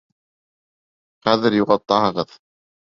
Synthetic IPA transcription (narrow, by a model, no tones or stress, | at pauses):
χæðɘɾjuʁɑt̪ːɑɦɤ̆ʁɤð